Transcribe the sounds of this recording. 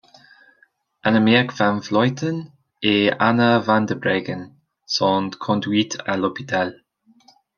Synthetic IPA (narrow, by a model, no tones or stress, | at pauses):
ənəmɛːkvanflɔjt̪ʰən | eːanəvand̪əbɾeːɡən | sɔːnd̪kʰɔndwiːtʰəlɔpitʰɛl